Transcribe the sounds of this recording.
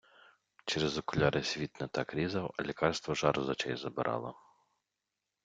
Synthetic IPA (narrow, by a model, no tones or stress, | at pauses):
t͡ʃɛɾezɔkʊlʲɑɾesʲʋʲit̪nɐt̪ɑkɾʲizɐwɐlʲikɑrst̪ʋɔʒɑɾzɐt͡ʃɛjzɐbɪɾʔɑ̰lˠɐ